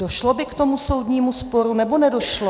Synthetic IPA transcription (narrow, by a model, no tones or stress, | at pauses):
doʃlobɪkt̪o̞muso̞wdɲiːmuspoɾunɛbonɛdoʃlo